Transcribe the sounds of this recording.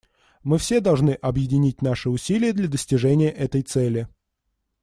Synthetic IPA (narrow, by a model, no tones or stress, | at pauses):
mɨfsʲe̞d̪ɐlˠʐnɨʔɐbjɪdʲɪnʲit̚ʲnaʂɨʊsʲilʲɪjəd̪lʲəd̪əsʲtʲɪʐɛnʲɪjəʔɛt̪əjt̪sɛlʲɪ